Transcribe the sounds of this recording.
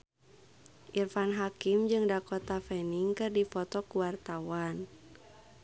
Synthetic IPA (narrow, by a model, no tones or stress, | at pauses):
ʔirfanɦakimd͡ʒɨŋdakɔt̪afɛniŋkɨrdifɔt̪ɔkuwart̪awan